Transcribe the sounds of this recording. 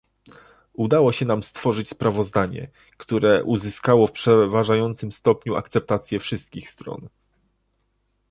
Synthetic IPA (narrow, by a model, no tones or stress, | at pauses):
ud̪awɔɕɛnamst̪fɔʐɘt͡ɕspɾavɔzd̪aɲɛ̰ | kt̪uɾɛʔuzɘskawɔfpʂɛvaʐajɔnt̪sɘmst̪ɔpɲua̰kt̪sɛp̚t̪at̪sʲjɛfʂɘst̪̚kʲixst̪ɾɔ̰n